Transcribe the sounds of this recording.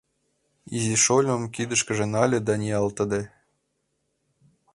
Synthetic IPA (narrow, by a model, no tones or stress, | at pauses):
iziʃolʲɤ̆mkid̪ə̆ʃkɘ̆ʒĕnɑlʲĕd̪ɑnʲiɑlt̪ɤ̆d̪ĕ